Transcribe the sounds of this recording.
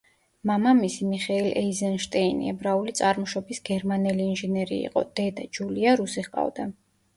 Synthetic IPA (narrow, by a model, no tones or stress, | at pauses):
mamamisimiχɛilʔɛizɛnʃt̪ʼɛinḭɛbɾaulit̪sʼaɾmɔʃɔbisɡɛɾmanɛliːnʒɛnɛɾḭḭqʼɔ̰d̪̥ɛd̪ad͡ʒuliaɾusiχqʼa̰vd̪a